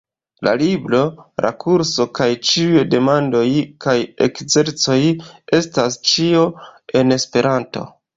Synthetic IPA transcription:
la̰liblo̞ɾʔa̰kʰuɾso̞kajt͡ʃiujde̞mando̞jkaje̞̰kze̞ɾt͡so̞je̞stast͡ʃio̞e̞ne̞spe̞ɾanto̞̰

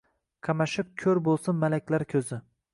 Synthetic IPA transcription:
qʰɑmaʃɪp̚kʲʰɵɾbolˠsɪnmːalakʲlaɾkʲʰɵzɪ

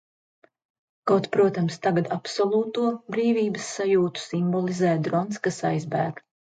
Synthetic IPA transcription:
kawt̪pɾuɔt̪amst̪aɡad̪apsɔlˠuːt̪uɔbɾiːviːbəsːajuːt̪u̥simbɔlˠizɛːd̪ɾɔnskasajzbæːɡ

